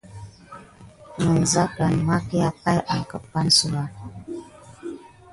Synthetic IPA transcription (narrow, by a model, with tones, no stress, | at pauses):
mə˨n̩˨za˦ka˨n˨ma˦ki˦a˨pa˦jʔa˨ŋ˨kə˨pa˦n˦su˦ma˦